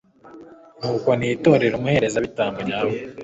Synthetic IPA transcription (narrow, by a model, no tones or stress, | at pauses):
n̥uːko̞niːto̞ɾe̞ɾumuhe̞ɾe̞zaβitaːmboɲaːwo